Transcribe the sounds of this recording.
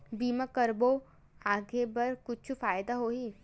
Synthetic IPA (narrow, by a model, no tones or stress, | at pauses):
biːmakəɾbo | aːɡebɐɾkʊt͡ʃʰufaːjd̪aɦoːɦiː